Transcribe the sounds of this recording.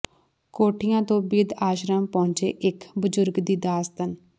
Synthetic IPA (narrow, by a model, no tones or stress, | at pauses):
koːʈʰɪjãːt̪õːbid̪aːʃɾəmpɔ̃ʊ̃ɲt͡ʃḛːʔɪkbəzʊɾɡd̪iːd̪aːst̪ən